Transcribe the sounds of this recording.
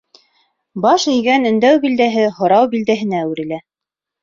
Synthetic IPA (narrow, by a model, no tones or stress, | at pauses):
bɑʃɵ̆jɡænɵ̆nd̪æwbild̪æɦɘhŏɾɑwbild̪æɦɘ̆næwʉɾɘ̆læ